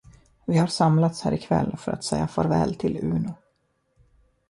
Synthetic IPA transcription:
vɪhaɾʂamlat̪shæːɾɪkʰvɛlːfœɾʔa̰t̪sɛjːafœɾvɛːlt̪ʰɪlʉ̟ːnʊ

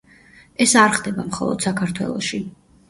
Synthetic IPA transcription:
ɛsaɾχd̪ɛbamχɔ̰lˠɔ̰d̪̥sakʰaɾt̪ʰwɛ̰lˠɔʃi

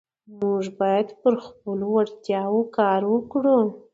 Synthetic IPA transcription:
muʐbɑjad̪pəɾxpəlowaɽt̪jɑwokɑɾwəkɽu

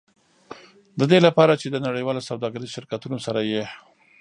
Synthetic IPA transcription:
d̪əd̪elapɑɾat͡ʃed̪ənaɽəjwɑlosawd̪ɑɡaɾiʃɪɾkat̪unosaɾaje

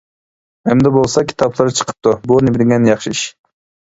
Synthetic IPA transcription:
ɛmd̪ɛbolˠsɑkʲʰi̥t̪ʰɑplˠɨɾt͡ʃʰə̥qʰə̥p̚t̪ʰubunɪbɪd̪ɪŋʲɛnjɑχʃiʃ

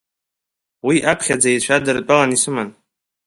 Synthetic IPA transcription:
wiʔapʰχʲad͡zait͡ʃʷʰadɨrt͡pʼalanisɨman

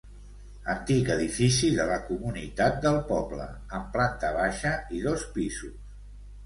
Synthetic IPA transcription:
ənt̪ikəðifisiðələkumunit̪at̪̚d̪əlˠpɔblə̰ | əmplant̪əβaʃəiðospizus

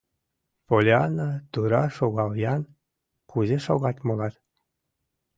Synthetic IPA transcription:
polʲeɑnət̪uɾɑʃoɣɑljɑn | kuzeʃoɣɑt̪ʲmolɑt̪

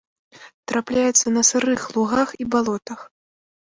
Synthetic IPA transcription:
t̪ɾʔaplʲajɛt̪sːɐnɐsɨɾɨxlˠuɣaxibalˠɔt̪ɐx

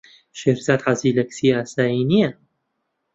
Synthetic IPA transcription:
ʃeɾzaːd̪ħaziːlɐksiːaːsaːjinijɐ

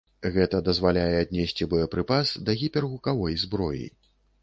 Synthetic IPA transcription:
ɣɛt̪ɐd̪ɐzvalʲajɛad̪̚ʲnʲɛsʲt͡sʲibɔjɐpɾɨpasd̪ɐɣʲipʲɛrɣukavɔjzbɾɔjḭ

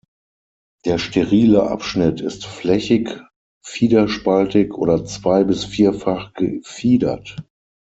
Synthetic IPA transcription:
d̥eːɐʃteʁiːləʔa̰pʃnɪtʰɪstflɛçɪk | fiːdɐʃpaltɪkʔo̰ːɾɐt͡sv̥aɪbɪsfiːɐfaχɡ̥əfiːdɐ̰t

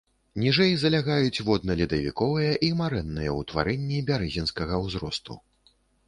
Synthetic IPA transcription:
nʲiʐɛjzɐlʲaɣajut͡sʲvɔd̪̚nɐlʲid̪ɐvʲḭkɔvɨjɐʔimaɾɛnːɨjɐwt̪va̰ɾɛnʲːibʲaɾɛzʲinskɐɣɐwzɾɔst̪ṵ

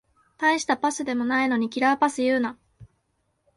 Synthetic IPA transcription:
t̪ãĩɕi̥t̪apasɨd̪e̞mo̞naino̞ɲ̟ikʲiɾaːpasɨjɯ̟ːna

